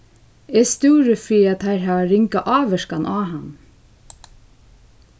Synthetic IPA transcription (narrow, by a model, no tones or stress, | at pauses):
ɛst̪uːɾəfiːɾat̪θaɹɦæːʋaɾɪŋkaʔɑːʋɛʃkanʔaːɦanː